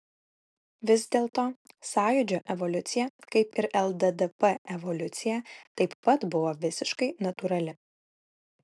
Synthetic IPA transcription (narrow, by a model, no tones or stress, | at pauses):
ʋʲɪzd̪ʲeːlˠt̪oːsɑːjʊd͡ʒʲoːʔɛʋɔlʲʊt̪sʲɪjɛkɐɪpɪɾʔɛlˠd̪ɛd̪ɛpɛɛʋɔlʲʊt̪sʲɪjæt̪ɐɪpːɐt̪bʊʋoːʋʲɪsʲɪʃkɐɪnɐt̪uɾɐlʲɪ